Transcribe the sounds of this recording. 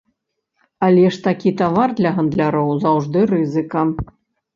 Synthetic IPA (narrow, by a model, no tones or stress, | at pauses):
alʲɛʂt̪akʲit̪avard̪lʲɐɣɐnd̪lʲaɾɔwzawʐd̪ɨɾɨzɨkɐ